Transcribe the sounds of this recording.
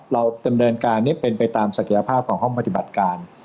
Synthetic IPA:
ɾa˧wda˧mnɤː˧nkaː˧nːiː˦˥˩pe˧npa˧jt̪aː˧msa˧kʰi˨˩˦ja˧pʰaː˥˩p̚kʰɔː˩˦ŋɦɔ˥˩ŋpa˧t̪i˨˩ba˨˩t̪̚kaː˧n

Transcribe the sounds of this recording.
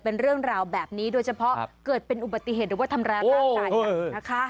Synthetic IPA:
pe˧nɾɯ˥˩əŋɾaː˧wbɛː˨˩p̚niː˦˥doː˧jt͡ɕʰa˧pʰɔ˦˥ʔkɤː˨˩t̪̚pe˧nʔu˨˩ba˨˩t̪ːi˨˩ɦeː˨˩t̪̚ɾɯː˨˩wa˥t̪ʰa˧mɾaː˧a˥aː˧jana˦˥kʰa˦˥

